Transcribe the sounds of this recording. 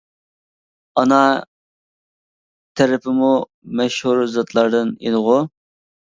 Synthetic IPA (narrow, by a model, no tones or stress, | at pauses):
ɑnɑ | t̪ʰɛɾɪpʰɪmu | mɛʃhuɾzɑt̪ʰlˠɑɾd̪ɨnḛnɨʁʊ